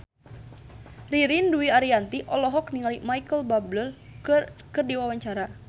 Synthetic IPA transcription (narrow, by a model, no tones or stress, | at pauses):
riɾinduiaɾiant̪iʔɔlɔɦɔkniŋalimaikəlbabləl | kɨrdiwawaɲt͡ʃaɾa